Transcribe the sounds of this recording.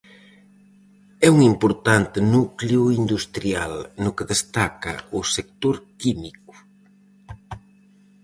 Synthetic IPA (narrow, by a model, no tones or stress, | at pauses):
ɛuŋimpʊɾt̪ant̪ɪnukleʊind̪ust̪ɾialnʊkeðest̪akɐ̰ʊsek̚t̪oɾkimikʊ̥